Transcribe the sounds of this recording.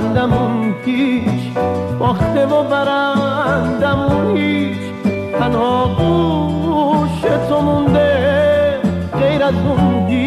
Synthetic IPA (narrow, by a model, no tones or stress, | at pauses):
nd̪amunt̪ʰiʃbɔːxt̪ebobaɾand̪amuniʃ | t̪ʰanhɔːɡu | ʃet̪ʰomũnd̪e | ɣejɾazund̪i